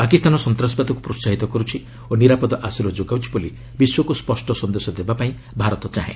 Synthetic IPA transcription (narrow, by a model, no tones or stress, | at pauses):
pakist̪ʰanɔsɔnt̪ɾasbat̪ɔku̥pɾosaɦit̪ɔkɔɾut͡ʃʰi | oniɾapɔd̪ɔʔasuɾɔd͡ʒoɡawt͡ʃʰi̥bɔli | biswɔkuspɔsʈɔsɔnd̪esɔd̪ebapaĩ | bʱaɾɔt̪ɔt͡ʃaɦḛ̃